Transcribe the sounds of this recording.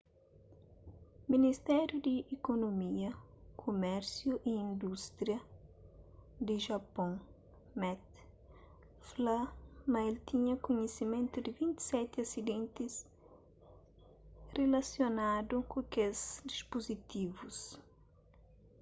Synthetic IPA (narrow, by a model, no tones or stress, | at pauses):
minist̪ɛɾjud̪iːkonomiɐkʰomɛɾsjuʔiĩnd̪ust̪ɾjɐ | d̪ɪʒɐpõŋ | mɛt̪̚ | flamɐelt̪iɲɐkoɲesimẽnt̪ʊd̪ɪvĩnt̪i̥sɛt̪ɪɐsid̪ẽnt̪ɪs | relasjonad̪ukokezd̪ispozit̪ivus